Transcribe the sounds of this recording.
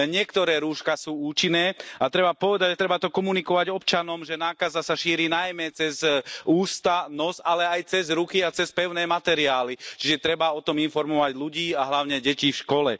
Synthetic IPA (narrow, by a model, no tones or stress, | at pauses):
ɲɪɛkt̪ɔɾɛːɾuːʃkasuːuːt͡ʃinɛːat̪ɾɛbapɔʋɛd̪aɟt̪ɾɛbat̪ɔkɔmunikɔʋaɟɔpt͡ʃanɔmʒɛnaːkazasaʃiːɾiːnajmɛt͡sɛzuːst̪anɔzalɛajt͡sɛzɾukiat͡sɛspɛʊnɛːmat̪ɛɾiaːlit͡ʃiʒɛt̪ɾɛbaɔt̪ɔminfɔɾmɔʋaɟluɟiːaɦlaʊɲɛɟɛcifʃkɔlɛ̰